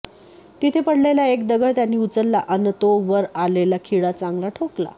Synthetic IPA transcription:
t̪it̪ʰepəɽleljaekd̪əɡəɭt̪janːiːut͡səlːaʔənːət̪oʋəɾalelakʰiɽat͡sãŋɡlaʈʰokla̰

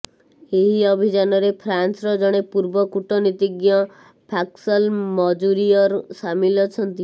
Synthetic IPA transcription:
eɦiɔbʱid͡ʒanɔɾepʰɾansɾɔd͡ʒɔɽ̃epuɾbɔkuʈɔnit̪iɡjɔ | pʰaksɔlmɔd͡ʒuɾiɔɾsamilɔt͡ʃʰɔnt̪i

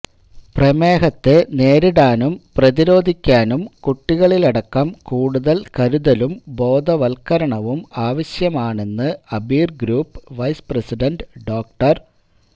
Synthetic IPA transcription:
prɐmeːɦɐt̪ːene̞ːɾiɽaːnumprɐðiɾo̞ːd̪ʱikʲːaːnumkuʈːiɣɐɭilɐɽɐkːɐmkuːɽuðɐlkɐɾuðɐlumbo̞ːd̪ɐʋɐlkɐɾɐɳɐʋumaːʋɐɕjɐmaːɳe̞nːɨɐbiːrɡɾuːpːʋɐjsprɐsiɖɐnɖɖo̞ːk̚ʈɐr

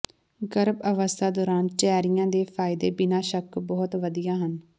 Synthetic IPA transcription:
ɡəɾbəʋəst̪ʰaːd̪ɔːɾaːnt͡ʃɛːɾɪjãːd̪eːpʰaːɪd̪eːbɪnãːʃəkbɔːt̪ʋəd̪ijaːɦən

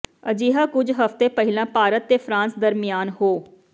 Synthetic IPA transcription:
əd͡ʒiːɦaːkʊd͡ʒɦəft̪eːpəɦɪlãːpaːɾət̪ːeːpʰɾãːnsd̪əɾmɪjaːnɦoː

